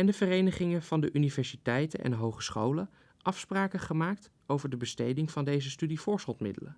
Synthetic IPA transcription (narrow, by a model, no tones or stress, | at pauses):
ɛndəvərejnəχɪŋəv̥ɑndəʔynivɛɹsitɛjtənɛ̰nɦowχə̥sχowlən | ʔɑfspraːkəχəmaːk̚t | owvəɹdəbəstejdɪŋv̥ɑndejzəstydivʊːɹsχolˠtmɪ̰dələ